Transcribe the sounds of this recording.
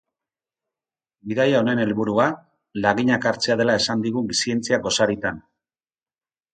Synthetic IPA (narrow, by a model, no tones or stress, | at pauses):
biðajao̞ne̞ne̞lβuɾua | laɣiɲakaɾt͡seað̞e̞lae̞sand̪iɣusie̞nt͡siaɡo̞saɾit̪an